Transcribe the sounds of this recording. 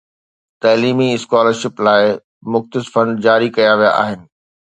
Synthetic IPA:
t̪ɐːliːmiɪskaːləɾʃɪplaːɪ | mʊxt̪ɪsfɐ̃ɳɖd͡ʑaːɾikɐjaʋija̰ʔa̰ːɦɪnɪ̆

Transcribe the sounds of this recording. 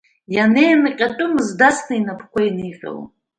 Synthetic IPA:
janejnɨqʲʼatʷʼʊmɨzdasnainapʰkʷainiqʲʼa̰w̰

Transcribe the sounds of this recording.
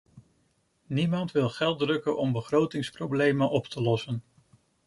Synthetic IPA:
nimɑntʋɪlˠχɛlˠdrɵkənʔɔmbəχrowtɪŋsprowblejmənʔɔptʰəlɔsən

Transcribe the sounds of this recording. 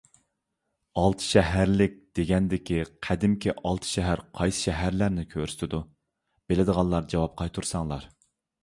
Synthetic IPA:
ɑlˠt̪ʰɨ̥ʃɛɦæɾlɪk̚ʲd̪̥eɡʲɛnd̪ɪkʲiqʰæd̪ɪmkʲʰiʔɑlˠt̪ʰɨ̥ʃɛɦæɾqʰɑjsɨ̥ʃɛɦæɾlæɾnɪkʲʰøɾst̪ɪd̪u | b̥elɪd̪əʁɑnˠɑɾd͡ʒɑwɑp̚qʰɑjt̪ʰuɾsɑŋlˠɑɾ

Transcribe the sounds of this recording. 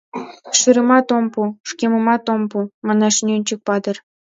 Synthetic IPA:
ʃɯɾə̆mɑt̪ompuʂkʲemɤ̆mɑt̪ompumɑnɑʃnʲynʲt͡ɕək̚pɑd̪ɤ̆r

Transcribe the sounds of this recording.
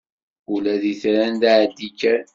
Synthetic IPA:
ulæðiθɾænd̪aʕd̪ːikːæɾ

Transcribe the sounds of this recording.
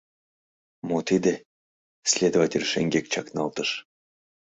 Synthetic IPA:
mot̪id̪ʲe | sʲlʲed̪ovatʲelʲʃeŋɡʲek̚t͡ɕɑknɑlˠt̪əʃ

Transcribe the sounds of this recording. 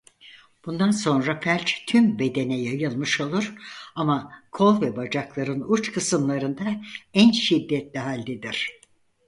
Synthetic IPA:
b̥und̪anso̞nɾafælʲt͡ʃt̪ʰymbe̞d̪e̞nɛjajɯlˠmɯʃo̞lˠuɾ̥amakʰo̞lˠvɛbad͡ʒaklˠaɾɯnut͡ʃkʰɯsɯmlˠaɾɯnd̪aænʃid̪ːɛt̪lʲiɦalʲd̪ed̪iɾ̥

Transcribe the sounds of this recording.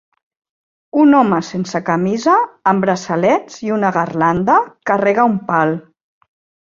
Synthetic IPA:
unɔməsensəkamizaːmbɾasalɛd͡ziunəɣarland̪əkarɛɣaumpal

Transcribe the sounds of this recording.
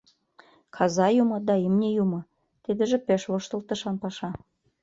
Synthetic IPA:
kʰɑzɑjumɤ̆d̪ɑimnʲejumɤ̆ | t̪id̪ə̆ʒĕpeʃβoʃt̪ə̆lt̪ə̆ʃɑnpɑʃɑ

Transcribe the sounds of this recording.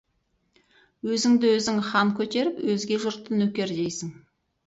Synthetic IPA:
wɵzɪŋd̪ɪwɵzɪŋχɑŋkʲʰɵt̪e̞ɾɪpwɵzɡʲe̞ʒʊɾt̪ːənɵkʲe̞ɾd̪e̞jsɪŋ

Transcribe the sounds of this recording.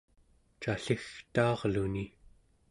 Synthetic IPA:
t͡ʃaɬixt̪ɑːʁluni

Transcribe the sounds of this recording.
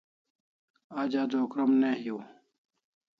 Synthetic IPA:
aːd͡ʑaːd̪oːkɾɐmneːɦijoː

